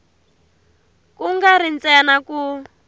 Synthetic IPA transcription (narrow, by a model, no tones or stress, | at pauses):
kuŋɡaɾint͡sɛnaku